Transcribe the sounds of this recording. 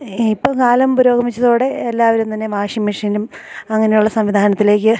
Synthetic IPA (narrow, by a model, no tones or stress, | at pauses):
ipːoːkaːlɐmpuɾo̞ːɡʱɐmit͡ɕːɐðoːɽe̞ːlːaːʋɐɾumt̪ɐnːe̞ʋaːʂjɐmiʂɐlum | ɐŋːɐne̞juɭːɐsɐmʋid̪ʱaːnɐt̪ːile̞ːkʲːɨ